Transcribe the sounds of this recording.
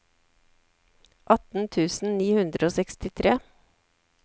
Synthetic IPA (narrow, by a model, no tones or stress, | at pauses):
ʔɑt̪n̩t̪ʰʉːsn̩niːhʉnd̪ɾəoːsɛkst̪ɪt̪ʰɾeː